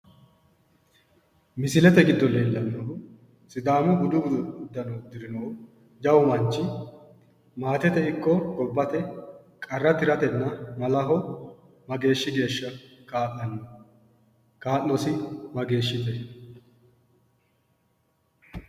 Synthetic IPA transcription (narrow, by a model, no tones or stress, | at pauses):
mɪsɪlɛt̪ɛɡɪd̪ːɔlːeːd̪ɐnd̪ɐɦʊ | sɪd̪aːmʊɡʊd̪ʊɡʊd̪ʊʊd̪ːɐnoːd̪ɪɾɪnoː | d͡ʒɐwmɐnt͡ʃːɪ | maːt̪ɛt̪ɛɪkːɔɡɔbːɐt̪ɛ | kʼɐrːɐt̪ɪɾɐt̪ɛnːɐmɐlɐɦɔ | mɐɡe̞ːʃːɪɡe̞ːʃːɐkaːʔʼɐnːɐ | kaːʔːɔsɪmɐɡe̞ːʃːɪt̪ɛ